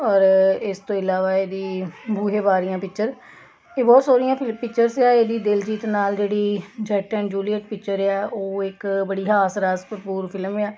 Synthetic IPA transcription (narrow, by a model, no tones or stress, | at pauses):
ɔːɾɪst̪õːɪlaːʋaːeːd̪iːbʱuːɦeːbaːɾɪjãːpɪkt͡ʃəɾ | eːbɔːt̪soːɾɪjãːpʰɪlpɪkt͡ʃəɾsɛːeːd̪iːd̪ɪld͡ʒiːt̪naːld͡ʒeːɽiːd͡ʒɛːʈə̃ːnd͡ʒuːlɪjəʈpɪk̚t͡ʃəɾɛːoːɪkbəɽiːɦaːsɾaːspət̪̚puːɾpʰɪlmɛː